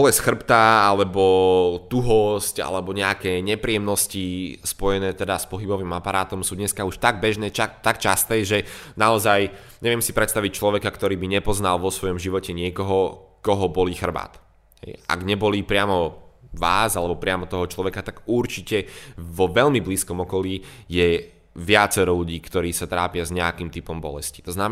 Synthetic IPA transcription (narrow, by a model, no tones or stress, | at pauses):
ɔlɛsxr̩pt̪aalɛbɔt̪uɦɔsca̰lɛbɔɲɛakɛːɲɛpɾiɛmnɔscispɔjɛnɛːt̪ɛd̪aspɔɦibɔʋiːmapaɾaːt̪ɔmsuːdɲɛskauʃt̪aɡ̚bɛʒnɛːt͡ʃat̪akt͡ʃast̪ɛːʒɛnaɔzaj | ɲɛʋɪɛmsipɾɛt̪st̪aʋic̚t͡ʃlɔʋɛkakt̪ɔɾiːbiɲɛpɔznalʋɔsʋɔjɔmʒiʋɔcɛɲɪɛkɔɦɔkɔɦɔbɔlixr̩ba̰ːt̪ | ɦɛ̰ja̰ɡɲɛbɔlipɾɪamɔʋaːzalɛbɔpɾɪamɔt̪ɔɦɔt͡ʃlɔʋɛkat̪aɡuɾt͡ʃicɛʋɔʋɛʎmibliːskɔmɔkɔliːjɛ | ʋɪat͡sɛɾɔluɟiːkt̪ɔɾiːsat̪ɾaːpɪazɲɛakiːmt̪ipɔmbɔ̰lɛsci̥t̪ɔzna